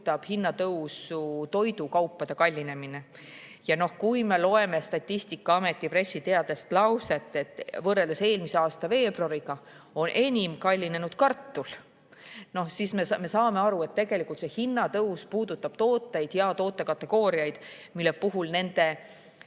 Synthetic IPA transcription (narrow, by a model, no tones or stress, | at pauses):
t̪ːˑɑb̥hinːɑt̪ɤuwsut̪o̞jd̪ukɑwpːɑd̪̥e̞kɑlʲːine̞mine̞ | jɑno̞hkujme̞lo̞e̞mest̪ɑt̪ʲːist̪ikːɑɑme̞t̪ːˑipre̞sʲːit̪eɑd̪e̞st̪lɑwse̞t̪ːˑe̞t̪ˑːvɤreld̪ese̞ːlmiseɑːst̪ɑve̞ːbruɑɾiɡ̥ɑo̞nʔe̞nʲimkɑlʲːine̞nud̪̥kɑrt̪ːul | no̞sismeme̞sɑːme̞ɑɾue̞t̪t̪ːe̞ɡ̥e̞likˑult̪se̞hinːɑt̪ɤwspuːd̪̥ut̪ːˑɑb̥̚t̪o̞ːt̪ːˑe̞jd̪̥jɑt̪o̞ːt̪ːˑekɑt̪ːˑe̞ɡ̥o̞ːɾiɑjd̪̥ | milːe̞puɦulne̞nd̪̥e̞